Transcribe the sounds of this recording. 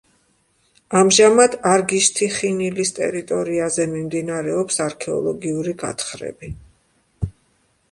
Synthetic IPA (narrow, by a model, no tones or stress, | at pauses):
amʒamad̪aɾɡiʃt̪ʰiχinilist̪ʼɛ̰ɾit̪ʼɔɾiazɛmimd̪inaɾɛɔpsaɾkʰɛɔ̰lˠɔɡiuɾiɡa̰t̪χɾɛ̰bi